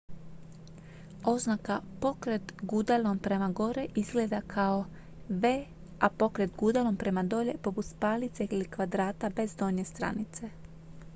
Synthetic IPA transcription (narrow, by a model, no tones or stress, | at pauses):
o̞znakapo̞kɾet̪ɡud̪alompɾe̞maɡo̞ɾeʔizɡleːd̪akʰao | ʋeː | apo̞kɾet̪ɡud̪alompɾe̞mad̪o̞ʎe̞po̞put̪spaːlit̪seilikʋad̪ɾaːt̪abe̞zd̪o̞ɲest̪ɾa̰nit̪se